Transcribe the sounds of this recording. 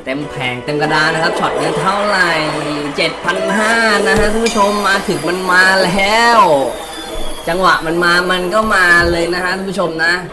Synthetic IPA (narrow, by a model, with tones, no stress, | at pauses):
t̪e˧mpʰɛː˨˩˦ŋt̪a˧mka˧daː˧na˦˥kʰa˦˥p̚t͡ɕʰɔ˨˩ŋa˧t̪ʰa˥˩wɾa˨˩jt͡ɕe˨˩t̪̚pʰa˧nɦaː˥˩na˦˥kʰa˦˥ʔkʰuː˧˦pʰu˦˥t͡ɕʰo˧mːaː˧t̪ʰɯ˨˩˦ŋma˧nmaː˧lɛː˦˥w | t͡ɕa˧ŋwa˨˩ʔma˧nmaː˧ma˧nkʰɔː˥˩wmaː˧lɤː˧jna˦˥kʰa˦˥kʰuː˧˦pʰu˦˥o˧mna˦˥